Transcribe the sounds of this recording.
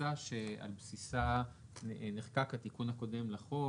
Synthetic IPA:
aʃea̰lbsisa | neχkakat̪ikunako̞de̞mlaχo

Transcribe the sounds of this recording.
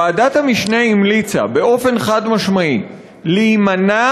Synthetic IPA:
aːdat̪hamiʃneimlit͡sa̰be̞o̞fe̞nχad̪maʃmai | liːmana

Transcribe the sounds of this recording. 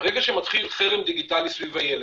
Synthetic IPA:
ʁeɡaʃemat̪χilχeʁemd̪iɡit̪alisvivajele

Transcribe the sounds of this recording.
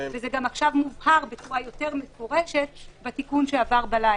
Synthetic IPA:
vezeɡamaχʃavmuvhaʁbet͡suʁajo̞t̪e̞ʁmefoʁeʃet̪batikunʃeavaʁbala

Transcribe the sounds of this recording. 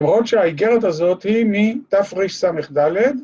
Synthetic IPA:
mʁo̞t̪ʃeaiɡe̞ʁet̪azo̞t̪himit̪afʁiʃsameχd̪aled̪

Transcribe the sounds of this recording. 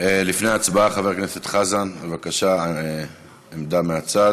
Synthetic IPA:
elifneaːt͡sbaaχave̞ʁknese̞t̪χazanbevakaʃa | emd̪ameat͡sad

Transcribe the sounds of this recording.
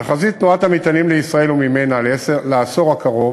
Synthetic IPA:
aχazit̪nuat̪hamit̪animleisʁae̞lumime̞naleselaaso̞ʁakaʁo̞

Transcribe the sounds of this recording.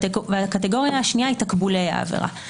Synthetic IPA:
veakateɡo̞ʁjaːʃniaitakbuleja̰ːvḛʁa̰

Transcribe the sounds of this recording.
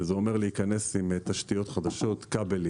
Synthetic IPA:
zeo̞meʁleikane̞simt̪aʃt̪ijo̞t̪χad̪aʃo̞t̪kabeli

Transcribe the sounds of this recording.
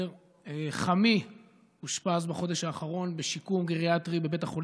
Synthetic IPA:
eχami | huʃpazbaχo̞de̞ʃhaːχaʁo̞nbeʃikumɡeʁiatʁibe̞be̞taχol

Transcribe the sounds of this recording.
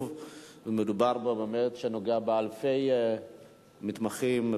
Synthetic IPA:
v | vemedubaʁbabemetʃeno̞ɡeabealfe̞j | mit̪maχim

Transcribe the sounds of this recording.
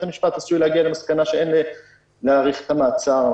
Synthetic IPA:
amiʃpat̪hasujlehaɡialemaskanaʃeenle | leaːʁiχet̪amaːt͡saʁ

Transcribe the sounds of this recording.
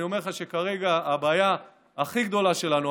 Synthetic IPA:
io̞me̞ʁχaʃekaʁe̞ɡaːbaːjaː | χiɡd̪o̞laʃe̞lanu

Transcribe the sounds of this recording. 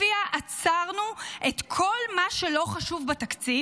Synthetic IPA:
iaʔat͡saʁnuʔet̪kʰo̞lmaʃelo̞χaʃuvbatakt͡si

